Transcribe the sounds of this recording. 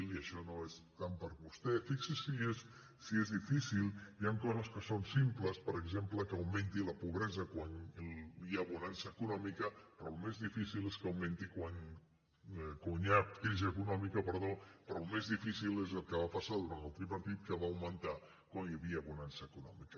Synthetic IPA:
liəʃɔnoest̪ampəɾβust̪ɛfiksisiesː | iezðifisilˠjaŋkɔzəskəsonsimpləspəɾəɡzempləkəwmẽnt̪iləpuβɾɛzəkwanβiəːβunansəːkunɔmikəpɾɔlumezðifisileskəwment̪ikwan | kuɲatkɾiziəkunɔmikəpəɾðopɾɔlmezðifisilezəlˠkəβapasaðuɾanəlˠt̪ɾipəɾt̪it̪̚kəβaːwmənt̪a | kwanjəβiəːβunansəːkunɔ̰mikə

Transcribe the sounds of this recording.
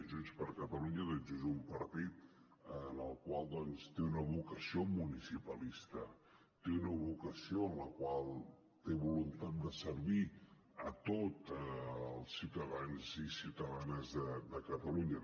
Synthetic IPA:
ʒuspəɾkət̪əluɲəðɛd͡ʒuzumpəɾt̪it̪̚ː | nəlˠkwalˠd̪ɔnst̪eunəβukəsiomunisipəlist̪ə | t̪eunəβukəsioənləkwalˠ | t̪eβulunt̪at̪̚d̪əsəɾβi | ət̪ot̪əlˠsiwt̪əðanzisiwt̪əðanəzðəd̪əkət̪əluɲə

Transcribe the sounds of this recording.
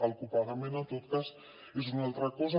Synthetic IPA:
alˠkupaðəmenat̪ot̪kas | ezunalˠt̪ɾɐkɔzə

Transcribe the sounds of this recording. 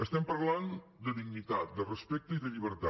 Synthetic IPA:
əst̪ɛmpəɾland̪əðiɡnit̪at̪̚d̪ərəspɛk̚t̪əiðəʎiβəɾt̪a

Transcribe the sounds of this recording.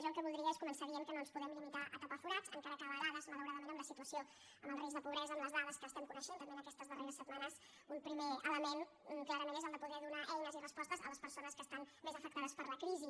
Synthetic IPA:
ʒɔŋˠkəβulˠd̪ɾiəeskumənsəɾiəmkənoənspuðɛmlimit̪aʔət̪əpəfuɾat͡sə̰ŋkaɾəkaβəðaðəzmələwɾaðəmẽnəmləsit̪uəsio | əməlˠrezðəpuβɾɛzəːmləzðaðəskəːst̪ɛmkunəʃent̪əmbenəkɛst̪əzðəreɾəsːət̪manəz | umpɾimeələmeŋ̩ | klaɾəmenezəlˠd̪əpuðɛðunaʔɛjnəzirəspɔst̪əzə̰ləspəɾsonəskəːst̪anmezəfək̚t̪aðəspəɾləkɾizi

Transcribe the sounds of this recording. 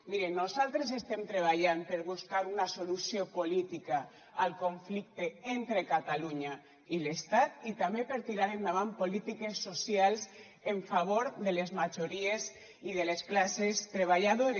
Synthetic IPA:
miɾenːozalt̪ɾez̬est̪emt̪ɾeβ̞aʎampeɾβuskaɾunasolusiopolit̪ika | alkoɱflik̚t̪eent̪ɾekat̪aluɲa | ilest̪at̪̚it̪amepeɾt̪iɾaɾend̪aβampolit̪ikesːosjals | eɱfaβ̞oɾðelezmad͡ʒoɾiez | iðelesklasest̪ɾeβ̞aʎaðoɾe

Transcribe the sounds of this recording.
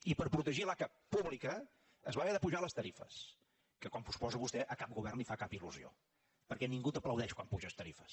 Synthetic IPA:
ipəɾpɾut̪əʒilakə | puβlikəː | zβaβɛɾðəpuʒaləst̪əɾifə̰s | kəkwampuspɔzəβust̪ɛʔəkap̚ɡuβɛrnifakapiluzio̰ | pəɾkɛniŋɡut̪əpləwðɛʃkwampuʒəst̪əɾifəs

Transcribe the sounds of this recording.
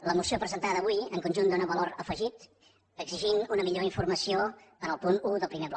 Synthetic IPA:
ləmusiopɾəzənt̪aðəːβuiəŋkunʲʒund̪unəβəloɾəfəʒit̪ | əɡziʒinunəmiʎoiɱfurməsioənəlˠpunuðəlˠpɾimeβlɔ

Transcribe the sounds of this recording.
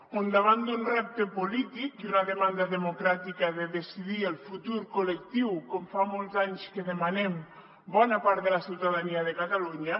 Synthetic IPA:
ond̪aβ̞and̪unrɛp̚t̪epolit̪ikunaðemand̪aðemokɾat̪ikaðeðesiðielˠfut̪uɾkolek̚t̪iwkɔmfamolˠzaɲskeðemanɛm | bɔnapaɾt̪ðelasiwt̪aðaniaðekat̪aluɲa

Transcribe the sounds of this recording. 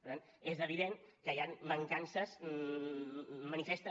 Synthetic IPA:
əɾt̪an | ezəβiðeŋkəjanbəŋkansəz | ənifest̪ə

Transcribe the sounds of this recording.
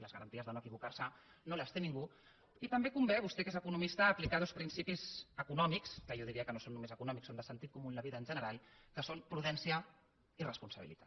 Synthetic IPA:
ləzɣəɾənt̪iəzðənoəkiβukaɾsə | noləst̪eniŋɡu | it̪əmbekumbɛβ̞ust̪ɛkezəkunumist̪əːplikað̞ospɾinsipizəkunɔmikskəʒɔðiɾiəkənosonːumezəkunɔmiksonəsənt̪it̪̚kumunləβiðəːnʒənəɾalˠkəsompɾuðɛnsiə | irəspunsəβḭlḭt̪ḁt̪

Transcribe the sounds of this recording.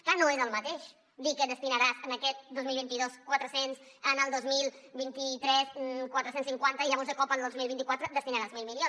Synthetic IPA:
klanoezəlˠmət̪eʃ | d̪ikəd̪əst̪inəɾazənəkɛt̪̚d̪ozmilˠβint̪iðoskwat̪ɾəsens | ənəlˠd̪ozmilˠβint̪it̪ɾɛskwat̪ɾəsensiŋkwant̪əiðəβonzðəkɔpənd̪ozmilβint̪ikwat̪ɾəd̪əst̪inəɾazmilmilio

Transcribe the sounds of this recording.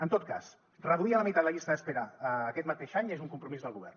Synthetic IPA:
ənt̪ot̪̚ka̰s | rəðuiələmit̪at̪ləʎist̪əðəspeɾaːkɛt̪mət̪eʃaɲezuŋkumpɾumizðəlˠɣuβ̞ɛ̰rn

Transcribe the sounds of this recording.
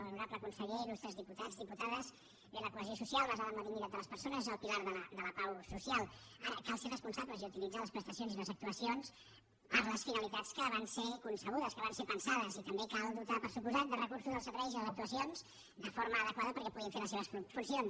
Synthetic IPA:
ənuɾapləkunsəɣilust̪ɾəzðiput̪ad͡zðiput̪aðəz | iələkuəziosusialˠlazaðəməðiniɾat̪̚d̪ələspəɾsonəzəlˠpilaɾðələd̪ələpawsusialˠ | aɾəkalˠserəspunsabləziut̪ilid͡zaləspɾəst̪əsionziləzək̚t̪uəsions | pəɾləsfinəlit̪at͡skəβ̞ansekunsəɣ̞uðəskəβansepənsaðəzit̪əmbekalˠd̪ut̪apəɾsupuzat̪̚d̪ərəkursuzðəlˠsəɾβɛjziəzək̚t̪uəsionz̥ | d̪əfoɾməːðəkwaðəpəɾkɛpuðinfeləs̬eβəsffunsion

